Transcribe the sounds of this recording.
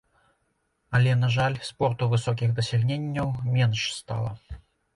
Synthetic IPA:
ɐlʲɛnaʐalʲspɔrt̪uvɨsɔk̬ʲixd̪ɐsʲɛlʲnʲenʲːɐwmʲɛnʂst̪a̰lˠɐ̰

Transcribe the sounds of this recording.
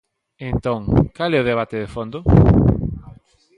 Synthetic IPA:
ẽnt̪õŋkalɛoðeβ̞at̪ɪðefond̪ʊ

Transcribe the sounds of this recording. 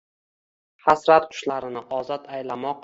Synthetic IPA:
hasɾat̪̚qʰʊ̥ʃlaɾɪnɪʔɒzɒt̪ʰajlamɒq̚

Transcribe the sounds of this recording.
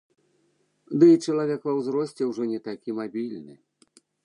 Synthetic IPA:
d̪ɨit͡ʂɐlˠavʲɛkvɐwzɾɔsʲt͡sʲɛwʐɔnʲɛt̪akʲimabʲilʲnɨ

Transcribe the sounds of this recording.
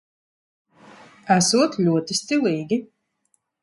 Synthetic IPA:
æsuɔt̪lʲuɔt̪ist̪ilˠiːɡʲi

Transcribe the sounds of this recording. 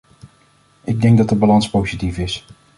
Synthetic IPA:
ɪɡ̚dɛŋɡ̚dɑtəbɑlɑnspowzitifɪs

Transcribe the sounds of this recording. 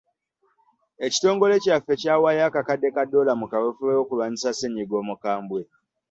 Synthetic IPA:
eci̥to̞ːŋɡo̞le̞cafecaːwajakakadːe̞kadːo̞lamukawefuejoːkulwaːɲisaseɲiɡo̞ːmukaːmbwe̞

